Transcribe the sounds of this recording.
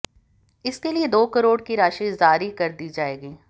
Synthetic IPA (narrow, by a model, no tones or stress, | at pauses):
ɪskelied̪oːkɐɾoːɽkiɾaːʃizaːɾikɐɾd̪iːd͡ʒaːeːɡiː